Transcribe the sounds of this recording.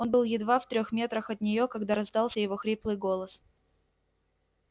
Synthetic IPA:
o̞nbɨlˠjɪd̪vaft̪ɾʲo̞xmʲe̞t̪ɾəxɐt̪nʲɪjo̞kɐɡd̪aɾɐzd̪ɑlˠsʲəjɪvo̞xɾʲiplˠɨjɡo̞lˠəs

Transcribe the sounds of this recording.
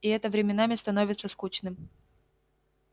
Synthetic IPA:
ɪɛt̪əvɾʲɪmʲɪnamʲɪst̪ɐno̞vʲɪt̪səskut͡ɕnɨm

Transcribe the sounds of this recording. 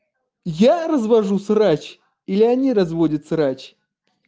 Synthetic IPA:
jarəzvɐʐusrat͡ɕ | ilʲɪanʲiɾɐzvodʲət̪səɾat͡ɕ

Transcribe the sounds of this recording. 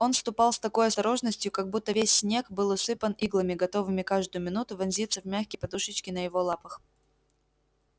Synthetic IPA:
o̞nfst̪ʊpɑlˠst̪ɐko̞jɐst̪ɐɾo̞ʐnəsʲtʲjʊkɐɡ̚but̪ːəvʲesʲːnʲe̞kbɨlˠʊsɨpəniɡlˠəmʲɪɡɐt̪o̞vɨmʲɪkaʐd̪ʊjʊmʲɪnut̪ʊvʲɐnzʲit̪səvmʲæxkʲəjpɐd̪uʂɨt͡ɕkʲɪnəjɪvo̞lˠapəx

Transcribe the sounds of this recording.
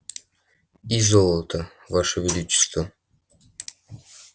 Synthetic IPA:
izolˠət̪ə | vaʂəvʲɪd̪ut͡ɕːɪ̥st̪və

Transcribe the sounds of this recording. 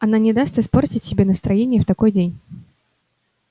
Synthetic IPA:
ɐnanʲɪd̪ast̪ɨspo̞rtʲɪtʲsʲɪbʲenəst̪ɾɐjenʲɪjəft̪ɐko̞jdʲenʲ

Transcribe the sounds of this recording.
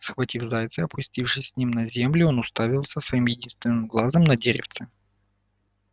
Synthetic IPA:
sxvɐtʲifzajt̪sɨɐpʰʊsʲtʲifʂɨsʲːnʲimnɐzʲe̞mlʲʊo̞nʊst̪avʲɪlˠsəsvɐimjɪdʲinst̪vʲɪnːɨmɡlˠazəmnɐdʲeɾʲɪ̰ft̪sɨ

